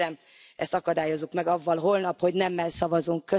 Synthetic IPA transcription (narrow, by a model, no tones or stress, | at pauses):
ɛm | ɛst̪ɒkɒd̪aːjo̞zːukmɛɡɒvːɒlɦo̞lnɒphoɟnɛmːɛlsɒvɒzuŋkːø